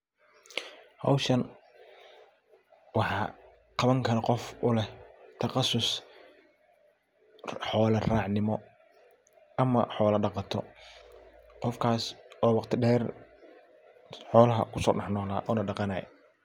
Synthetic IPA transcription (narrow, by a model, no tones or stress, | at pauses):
hɑ̰wʃɐn | wɑħɑː | qɑβɐŋkʰɐɾɐqɔfʊlɛt̪ʰɐqɑsʊs | ħɔːlɐraːʕnɪmɔ | ɐmɐ̰ħɔːlɐɖɑqɑt̪ʰɔ | qɔfkʰaːsɔːwɑqt̪ʰɪɖɛːr | ħɔːlɐɦɐ̰kʰʊsɔ̰ːɖɑħnɔːlaːʔɔːnɐɖɑqɑnɐɛ̰